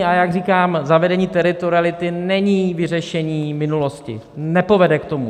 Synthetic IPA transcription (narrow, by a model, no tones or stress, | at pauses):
ajaɡriːkaːmzavɛdɛɲiːt̪ɛɾɪt̪oɾɪalɪt̪ɪnɛɲiːvɪrɛʃɛɲiːmɪnulo̞scɪ̰ | nɛpo̞vɛdɛkt̪o̞mṵ